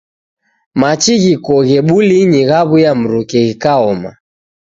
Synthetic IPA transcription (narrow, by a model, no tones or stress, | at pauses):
mat͡ʃiɣikɔɣɛɓuliɲiɣaβujam̩ɾukɛɣikaɔma̰